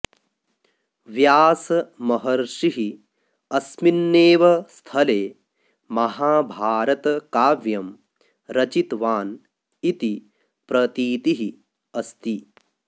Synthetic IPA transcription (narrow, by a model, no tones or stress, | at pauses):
ʋjaːsɐmɐɦɐɾʃiɦi | ɐsminːeːʋɐst̪ʰɐleː | mɐɦaːbʱaːɾɐt̪ɐkaːʋjɐm | ɾɐt͡ʃit̪ʋaːn | it̪i | pɾɐt̪iːt̪iɦi | ɐst̪i